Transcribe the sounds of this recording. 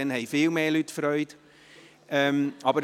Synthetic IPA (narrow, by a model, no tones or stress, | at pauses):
ɛnhɛɪfɪːlmeːlytfɾœʏt | ʔɛmɑbəɾ